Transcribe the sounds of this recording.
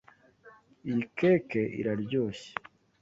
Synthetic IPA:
ijikʰeːkeʔḭɾaɾɟoːɕe̥

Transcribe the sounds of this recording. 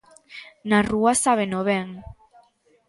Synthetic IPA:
naruasaβ̞enoβeŋ

